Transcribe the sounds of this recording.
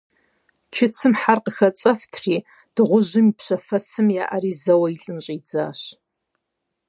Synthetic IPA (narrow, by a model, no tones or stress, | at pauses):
t͡ʃʰɪt͡sʰɨmħarqəxɐt͡sʼɐftʰriː | d̥ɨʁʷʊʑɪmipɕɐfɐt͡sʰɨmja̰ːʔɐriːzɐwɐiɬʼɨnɕʼiːd͡za̰ːɕ